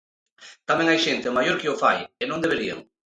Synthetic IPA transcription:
t̪amẽŋajʃent̪ɪmajoɾkiofa̰jenõŋd̪eβeɾiḛŋ

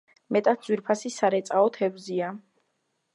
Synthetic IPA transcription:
mɛt̪ʼat̪̚ʰd̪zwiɾpʰasisaɾɛt̪sʼaɔt̪ʰɛvzia

